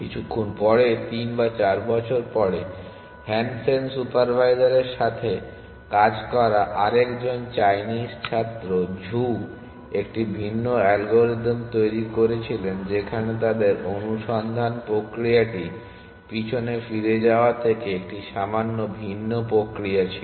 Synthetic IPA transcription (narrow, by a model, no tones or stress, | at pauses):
kit͡ɕʰukʰːunpɔɽet̪inbat͡ɕaɾbɔt͡ɕʰoɾpɔɽe | hɛnsensupaɾbʱajzaɾeɾʃat̪ʰe | kad͡ʑkɔɾaʔaɾekd͡ʑont͡ɕajnist͡ɕʰat̪ːɾod͡ʑʱu | ek̚ʈibʱinːoɛlɡoɾiɖmt̪ojɾikoɾet͡ɕʰilend͡ʑekʰanet̪ad̪eɾonuʃɔnd̪ʱanpɾokɾijaʈi | pit͡ɕʰonefiɾed͡ʑaoat̪ʰekeek̚ʈiʃamanːobʱinːopɾokɾiat͡ɕʰi